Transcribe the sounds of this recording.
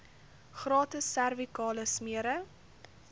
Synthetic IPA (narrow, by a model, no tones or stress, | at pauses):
χrɑːtəsːærvikɑːləsmiəɾə